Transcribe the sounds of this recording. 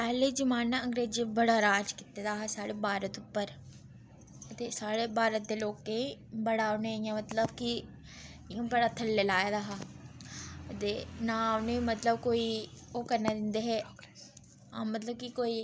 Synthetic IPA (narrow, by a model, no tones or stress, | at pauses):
pɛːleːd͡ʒəmaːnːãːə̃ŋɡɾeːd͡ʒibəɽaːɾaːd͡ʒkɪt̪eːd̪aːɦasaːɽeːbaːɾət̪ʊpːəɾ | ət̪eːsaːɽeːbaːɾət̪̚d̪eːloːkːẽbəɽaːonẽːijãːmət̪ləbkɪ | ãːbəɽaːt̪ʰəlːelaːjaːd̪aːɦaː | ət̪eːnaːonẽmət̪ləbkoːiːoːkəɾnaːd̪ɪnd̪eːɦɛː | ãːmət̪ləb̚kikoːiː